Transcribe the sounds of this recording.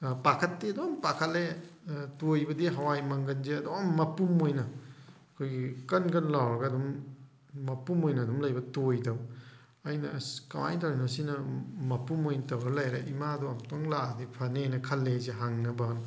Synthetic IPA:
pakʰɐtːiɐdompakʰɐlːetojbɐdiɦɐwajmɐŋɡɐnzeɐdomːɐpumojnɐɐkʰojɡikɐnkɐnlawɾɐɡɐɐdumː | ɐpumojnɐːdumlɐjbɐtojdɐw | ɐjnɐkɐwa̰jtɐwɾnosinɐmɐpumojnɐtɐwɾɐlɐjɾɐʔimaɐduɐmtoŋladipʰɐnenɐkʰɐlːezeɦaŋnɐbɐn

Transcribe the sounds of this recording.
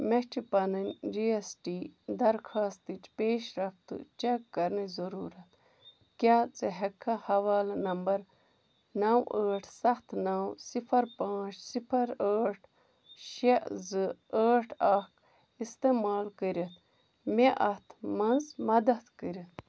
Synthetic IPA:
met͡ʃʰipɐnɐnd͡ʒiesʈiːd̪ɐɾkʰaːst̪ɨt͡ʃpeːʃɾɐft̪ɨ̰t͡ʃekːɐɾnɨzɐɾuːɾɐt̪ | kʲaːt͡sɨɦɐkʰːɐhɐʋaːlnɐmbɐɾ | nɐwəːʈʰsɐxt̪nɐwsipʰɐɾpãːt͡ʃʰsipʰɐɾəːʈʰ | ʃezɨəːʈʰɐk | ist̪emaːlkəɾɐt̪ | meʔɐt̪ʰmɐnzmɐd̪ɐt̪kəɾɐt̪

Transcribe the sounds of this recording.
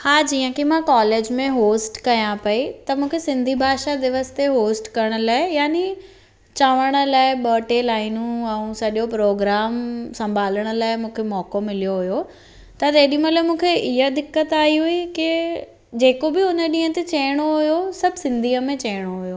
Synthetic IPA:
haːd͡ʑiːə̃kimãkaːleːd͡ʑmẽɦoːsʈkɐjãpɐit̪ɐmũːkʰesɪ̃nd̪ʱibʱaːʃad̪ɪʋəst̪eɦoːsʈkɐɾəɽ̃ə̆laːɪjaːni | t͡ɕaːʋəɽ̃ə̆laːɪɓɔːʈelaːɪnũɛ̃ũsɐʄopɾoːɡɾaːmsɐ̃mbʱaːləɽ̃ə̆laːɪmũːkʰemɔːkomɪlijoɦʊjo | t̪ɐt̪eːɗĩmɐlaːmũːkʰeʔɪɦəd̪ɪkːət̪aːɦiɦuikɪ | d͡ʑeːkobɪʊnəɗĩːɦə̃t̪et͡ɕɐːɽ̃oɦʊjosɐbʱsɪ̃nd̪ʱiːəmẽt͡ɕɐːɽ̃oɦʊjo

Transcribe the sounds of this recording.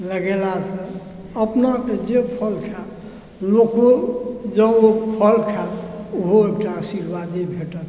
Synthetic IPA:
ləɡelasə̃ | əpnaked͡ʒepʰəlkʰa | lokod͡ʒəopʰəlkʰaoɦoekʈaəsiɾʋad̪ibʱeʈət̪

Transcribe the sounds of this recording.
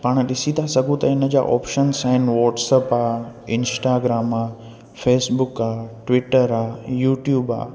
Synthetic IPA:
paːɽ̃əɗɪsit̪ʰasɐɡʱũt̪ɐɪnə̆d͡ʑa̰ːʔɔ̰ːpʃənsãɦɪnʋɔːʈsəpaːɪ̃nsʈaːɡɾaːmaː | feːsbʊkaːʈʋɪʈəɾaːjuːʈjuːba̰ː

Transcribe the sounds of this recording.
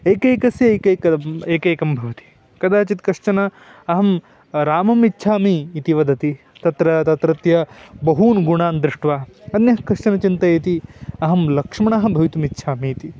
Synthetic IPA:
eːkeːkɐsjɐkɐjkɐeːkeːkɐmbʱɐʋɐt̪i̥ | kɐd̪aːt͡ʃit̪kɐʂt͡ʃɐnɐ | ɐɦɐm | ɾaːmɐmitːʃʰaːmiːt̪iʋɐd̪ɐt̪i | t̪ɐt̪ɾɐt̪ɐt̪ɾɐt̪jɐbɐɦuːnɡuɳaːnd̪ɾɪʂʈʋaːɐnjɐɦkɐʂt͡ʃɐnɐt͡ʃint̪ɐit̪iɐɦɐmlɐkʂmɐɳaɦɐ̆bʱɐʋit̪umit̪ːʃʰaːmiːt̪i

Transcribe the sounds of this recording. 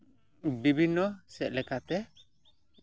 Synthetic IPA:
bibʱinːɔsɛʔ̚lɛkʰat̪ɛ

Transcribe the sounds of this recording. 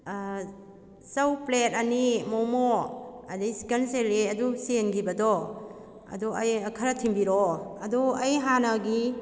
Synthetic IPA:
sɐwplet̚ɐnimomoɐdisi̥kenseleɐdusenɡibɐdɔ | ɐ̰duɐjkʰɐɾɐtʰimbiɾɔɐduɐjɦanɐɡi

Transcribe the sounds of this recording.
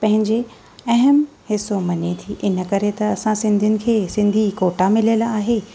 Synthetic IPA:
pɐ̃ɦɪ̃ɲd͡ʑe | ɐɦəm | hɪsomɐnet̪ʰiʔɪnə̆kɐɾet̪ɐɐsãsɪ̃nd̪ʱiʊnɪ̆kʰeːsɪ̃nd̪ʱikoːʈamɪlijəlaːɦeː

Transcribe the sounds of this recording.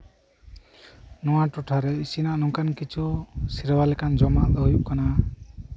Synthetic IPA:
nɔwãʈuʈʰaɾeisinaʔnɔŋkankit͡ʃʰusiɾbalɛkand͡ʒɔmaʔd̪ɔjuʔkɔna

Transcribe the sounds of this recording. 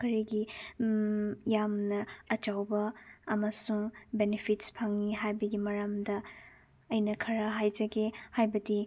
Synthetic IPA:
kɐɾiɡi | jamnɐːt͡ʃawbɐːmɐsuŋbenepʰitspʰɐŋniɦajbɐɡimɐɾamdɐ | ɐjnɐkʰɐɾɐɦajd͡ʒɐɡehajbɐdi

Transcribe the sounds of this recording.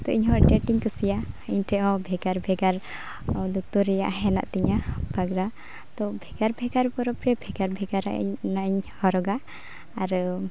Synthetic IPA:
t̪ɔʔiɲɦɔ̃ʔʈɛʈiŋkusijaiɲʈɛʔɔ̃bʱɛɡaɾbʱɛɡaɾ | lut̪uɾɛjaʔɦɛna̰ʔt̪ɛɲabaɡɾa | t̪ɔbʱɛɡaɾbʱɛɡaɾpɔɾɔpɾɛbʱɛɡaɾbʱɛɡaɾa̰ʔnaʔɲhɔɾɔɡaː | ɾ

